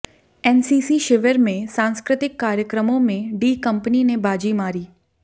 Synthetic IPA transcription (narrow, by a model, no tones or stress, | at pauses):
ɛːnsiːsiʃɪʋəɾmẽsãːnskɾɪt̪ɪkːaːɾjəkɾəmõmẽɖiːkɐ̃mpəninebaːd͡ʒimaːɾiː